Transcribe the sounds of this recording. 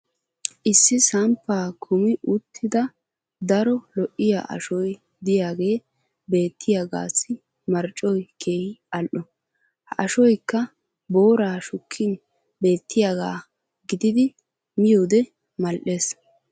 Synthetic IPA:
ʔɪsːɪsɐmpːaːkʰʊmɪʔʊt̪ʰːɪd̪ɐ | d̪ɐɾɔlɔʔːɪja̰ʔɐ̰ʃɔj | d̪ɪjaːɡe̞ː | be̞ːt̪ʰːɪjaːɡa̰ːsːɪ | mɐɾt͡ʃʼːɔjkʰe̞ːhɪɐlʔɔ | hɐʔɐʃɔjkːɐ | bo̞ːɾaːʃʊkʰːɪn | be̞ːt̪ʰːɪjaɡaː | ɡɪd̪ɪd̪ɪ | mɪjoːd̪ɛ | mɐlʔe̞ːs

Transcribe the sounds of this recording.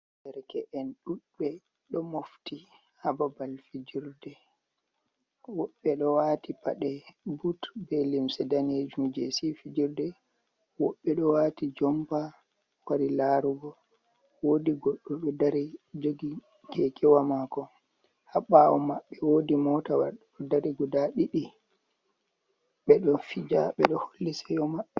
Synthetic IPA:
dɛɾkɛʔɛnɗuɗːɛ | ɗɔmofti | hababalfid͡ʒiɾdɛ | wɔɓːɛɗɔwaːtipaɗɛbutbɛlimsɛdaned͡ʒumd͡ʒesifid͡ʒiɾdɛ | wɔɓːɛɗɔwatid͡ʒɔmpa | waɾilaɾuɡɔ | woːdiɡɔɗːɔɗɔdaɾid͡ʒoɡi | kʰɛkʰɛwamakɔ | haɓawɔmaɓːɛwodimɔtawaɾɗɗɔdaɾiɡɔdaɗiɗi | ɓɛɗɔfid͡ʒaɓɛɗɔholːisɛjɔmaɓːɛ

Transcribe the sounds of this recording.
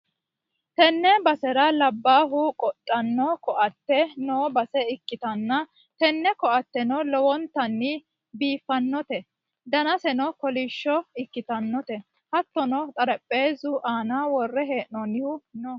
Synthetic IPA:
t̪ɛnːɛbɐsɛɾɐlɐbːaːɦʊkʼɔtʼːɐnːɔkɔʔɐt̪ːɛnoːbɐsɛɪkːɪt̪ɐnːɐ | t̪ɛnːɛkɔʔɐt̪ːɛnɔlɔwɔnt̪ːɐnːɪ | biːfːɐnːɔt̪ɛ | d̪ɐnɐsɛnɔkɔliʃːɔɪkːɪt̪ɐnːɔt̪ɛ | hɐt̪ːɔnɔt̪ʼɐɾɛpʼːeːzʊʔaːnaːwɔrːɛɦe̞ːʔnɔnɪhʊnɔ

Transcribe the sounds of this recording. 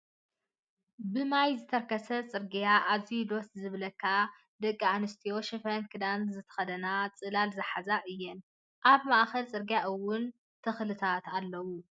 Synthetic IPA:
bɨmajzɨt̪ʰɐɾkʰɐsɐt͡sʼɨɾɡijaʔazijud̪o̞szɨβlɐkʰːa | d̪ɐkʼːianɨst̪ʰijo̞ʃɨfɐnkʰɨd̪anzɨt̪ʰɐ̥xɐd̪ɐnat͡sʼɨlalzɨħazaʔɨjːɛn | ʔaβmaʔxɐlt͡sʼɨɾɡijaʔɨwːʊn | t̪ʰɨxlɨt̪ʰat̪alːɐwu

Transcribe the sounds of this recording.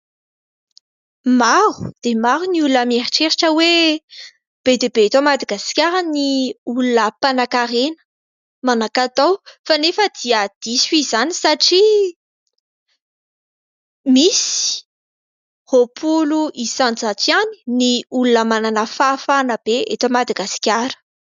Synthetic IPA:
maɾud̪̥emaɾuniulunəmeɾiʈ͡ʂeɾiʈ͡ʂəwe | b̥ed̪ebet̪omad̪aɡaskʲaɾəniulunəpanakaɾenə̥ | manakat̪awfanefəd̪iəd̪̥isizanisaʈ͡ʂi | misi̥ | hopʰuluʔisant͡sat͡siani̥niulunəmananəfafanəb̥eet̪omad̪aɡasi̥kʲaɾə̥

